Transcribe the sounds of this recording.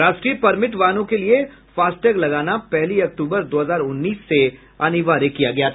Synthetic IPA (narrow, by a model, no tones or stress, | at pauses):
ɾaːʃʈɾipɐɾmɪʈʋaːnõkelie | faːsʈəɡlɐɡaːnapɛɦliɐk̚ʈuːbəɾd̪oːɦɐzaːɾʊnːiːsːe | ɐ̰niʋaːɾekːijaɡɐjat̪